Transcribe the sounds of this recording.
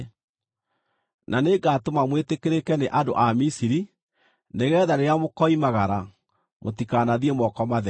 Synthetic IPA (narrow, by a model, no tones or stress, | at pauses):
nʔaneɡaːtomamwetekeɾekɛneʔado̰ʔamisiɾi | neɣɛːðaɾeamokɔimaɣaɾa | motikanaðiemɔkɔmaðɛ